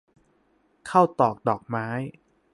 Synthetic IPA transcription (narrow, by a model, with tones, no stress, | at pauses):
kʰa˥˩wt̪ɔː˨˩k̚dɔː˨˩k̚maː˦˥j